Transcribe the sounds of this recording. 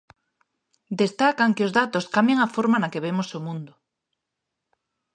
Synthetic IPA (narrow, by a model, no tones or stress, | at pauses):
d̪est̪akaŋkɪozðat̪oskambjaŋafoɾmanakeβ̞emosomũnd̪ʊ